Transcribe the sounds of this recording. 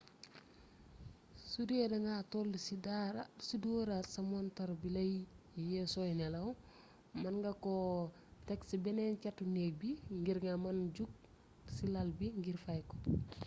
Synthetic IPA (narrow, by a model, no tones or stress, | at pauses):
sudedɐŋɡatoldisidaɾasiduɾasɐmɔntɐɾbilɐjjɛsɔjnɛlɐw | mɐnɡɐko | tɛksibɛnɛncatːunek̚biŋɡiɾŋamɐnɟuk̚ | silɐlbiŋɡiɾfajkɔ̥